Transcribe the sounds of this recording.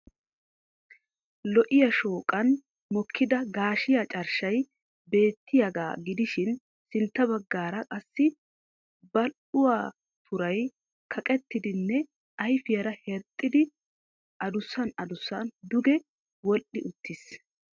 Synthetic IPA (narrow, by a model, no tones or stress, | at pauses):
lɔʔɪjɐʃoːkʼɐn | mɔkʰːɪd̪ɐɡaːʃɪjat͡ʃʼɐɾʃɐj | be̞ːt̪ːɪjɐɡa̰ːɡɪd̪ɪʃɪn | sɪnt̪ːɐβɐɡːaːɾɐkʼɐsːɪ | bɐlʔʊwaː | t̪ʰʊɾɐj | kʰɐkʼɛt̪ːɪd̪ɪnːɛ | ɐjfɪjɐɾɐhɛɾt̪ʼːɪd̪ɪ | ʔɐd̪ʊsːɐnɐd̪ʊsːɐnd̪ʊɡɛ | wɔlʔɪʔʊt̪ːɪs